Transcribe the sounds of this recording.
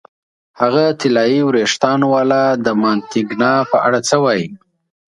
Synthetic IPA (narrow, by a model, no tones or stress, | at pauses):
haɣat̪ɪlɑjiwɾeʂt̪ɑnwɑlad̪əmɑnt̪ɪɡnɑpəʔaɽat͡səwɑji